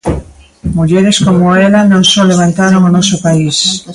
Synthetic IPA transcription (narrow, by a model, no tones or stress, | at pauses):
muʎeɾeskomoelanõŋsoleβ̞ant̪aɾoŋonɔsopais